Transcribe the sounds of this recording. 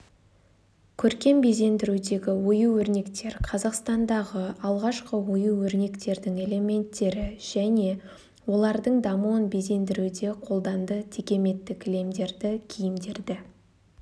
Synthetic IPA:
kʲʰɵɾkʲe̞mbe̞ze̞nd̪ɪɾud̪e̞ɡʲɪwo̞juwɵɾne̞kt̪e̞ɾqʰɑzɑqst̪ɑnd̪ɑʁəɑlˠʁɑʃqəwo̞juwɵɾne̞kt̪e̞ɾd̪ɪŋe̞le̞me̞nt̪ːe̞ɾɪʒ̥æne̞ | wo̞lˠɑɾd̪əɴd̪ɑmuwənbe̞ze̞nd̪ɪɾud̪e̞qʰo̞lˠd̪ɑnd̪ət̪ʰikʲe̞me̞t̪ːɪkʲle̞md̪e̞ɾd̪ɪkʲʰijɪmd̪e̞ɾd̪ɪ

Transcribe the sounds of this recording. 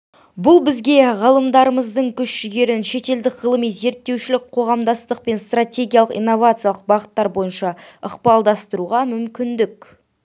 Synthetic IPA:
bʊlˠbɪzɡʲe̞ʁəlˠəmd̪ɑɾəməzd̪əɴkʲʰʏʃʒɪɡʲe̞ɾɪnʃe̞t̪e̞ld̪ɪkʁəlˠəmijze̞ɾt̪ːe̞wʃɪlɪk̚qʰo̞ʁɑmd̪ɑst̪əq̚pe̞nst̪rat̪ʲe̞ɡʲijalˠəqḭjnːo̞vat̪sɨjalˠəq̚bɑʁət̪ːɑɾbo̞jənʃɑəqpɑlˠd̪ɑst̪əɾuʁɑmʏmkʲɪnd̪ɪkʲ

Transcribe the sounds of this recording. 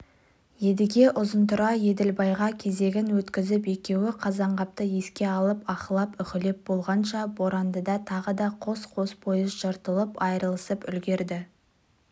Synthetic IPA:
je̞d̪ɪɡʲe̞ʔʊzənt̪ʊɾɑje̞d̪ɪlbɑjʁɑkʲʰe̞ze̞ɡʲɪnwɵt̪kʲɪzɪpe̞kʲe̞wɪqʰɑzɑɴʁɑp̚t̪əe̞skʲe̞ɑlˠəpɑχəlˠɑpʏχʲɪlep̚b̥o̞lˠʁɑnʃɑboɾɑnd̪əd̪ɑt̪ʰɑʁəd̪ɑqʰo̞sqʰo̞spʰo̞jɪzʒəɾt̪əlˠəpɑjɾəlˠəsəpʏlɡʲe̞ɾd̪ɪ

